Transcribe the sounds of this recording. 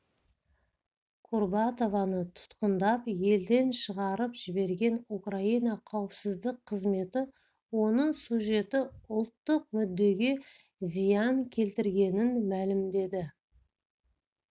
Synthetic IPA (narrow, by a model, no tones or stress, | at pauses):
kʰurbat̪o̞vɑnət̪ʰʊ̥t̪qənd̪ɑpje̞ld̪e̞nʃəʁɑɾəpʒ̥ɪbe̞ɾɡʲe̞nukraijnɑqʰɑwəpsɪzd̪ɪqʰːəzme̞t̪ɪ | wo̞nəɴsuʒe̞t̪ɪʊlˠt̪ːəq̚mʏd̪ːe̞ɡʲe̞ | zijɑŋkʲʰe̞lt̪ɪɾɡʲe̞nɪnmælɪmd̪e̞d̪ɪ